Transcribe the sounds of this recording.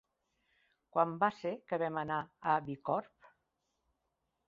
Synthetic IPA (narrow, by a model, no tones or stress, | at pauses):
kwambasekəβɛmənaəβikɔɾp